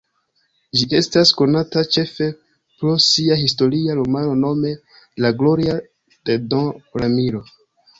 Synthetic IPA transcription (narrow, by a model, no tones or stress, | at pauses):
d͡ʒiʔe̞stasko̞natat͡ʃe̞fe̞ | pɾosiaɦisto̞ɾiaɾomano̞no̞me̞ | laɡlo̞ɾia | d̥edõɾamiɾo̞